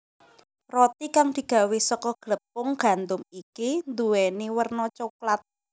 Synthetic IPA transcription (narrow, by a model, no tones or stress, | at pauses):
rɔt̪ikaŋd̪̥i̤ɡ̥a̤wesɔkɔɡ̥ɾəpːʊŋɡ̥a̤nd̪ʊmikind̪uwɛniwərnɔt͡ʃoklat̪̚